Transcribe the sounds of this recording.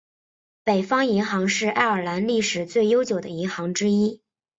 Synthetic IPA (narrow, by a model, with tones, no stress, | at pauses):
pe˨˩ɪfɑ˥ŋi˧˥ŋxɑ˧˥ŋʂɻ̩˥˧ʔa˥˩ɪə˞˨˩la˧˥nli˥˩ʂɻ̩˨˩t͡swe˥˩ɪjo˥ʊt͡ɕjo˨˩ʊd̪ə̰˦i˧˥ŋxɑ˧˥ŋʈ͡ʂɻ̩˥i˥